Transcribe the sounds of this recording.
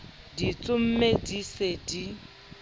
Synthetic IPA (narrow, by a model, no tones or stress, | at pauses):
dit͡sʼʊm̩medisedi